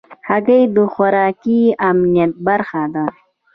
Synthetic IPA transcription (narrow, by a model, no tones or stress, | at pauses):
haɡajd̪əxʊɾɑkiamnijat̪̚baɾxad̪a